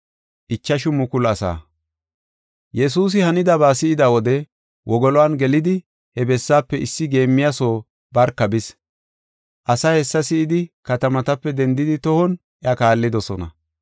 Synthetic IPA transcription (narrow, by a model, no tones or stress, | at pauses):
ʔɪt͡ʃːɐʃʊmʊkʊlɐsa̰ː | jɛs̬uːs̬ɪhɐnɪd̪ɐbaːsɪɪd̪awɔd̪ɛ | wʔɔɡɔlɔwanɡɛlɪd̪ɪ | hɛbɛsːaːpːɛɪsːɪɡe̞ːmːɪjaso̞ː | bɐɾkːɐbɪs | ʔɐsaːhɛsːɐsɪɪd̪ɪkɐt̪ɐmɐt̪ɐpːɛd̪ɛnd̪ɪd̪ɪt̪ɔhɔn | ɛɐkaːlːɪd̪ɔsɔnɐ̰